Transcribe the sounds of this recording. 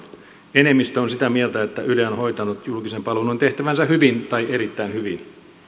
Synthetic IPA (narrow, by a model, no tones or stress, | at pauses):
ene̞mːist̪æonsit̪æmielt̪æet̪ːæʔylnho̞it̪ɑnut̪julkisempɑlunont̪eht̪æʋænsæhyʋint̪ɑiʔeɾit̪ːæinhyʋin